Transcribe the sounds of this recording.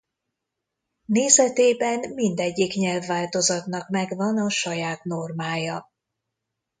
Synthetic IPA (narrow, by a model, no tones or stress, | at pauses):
neːzɛt̪eːbɛnmind̪ɛɟːikɲɛlvːaːlt̪o̞zɒt̪nɒkmɛɡvɒnɒʃɒjaːt̪no̞rmaːjɒ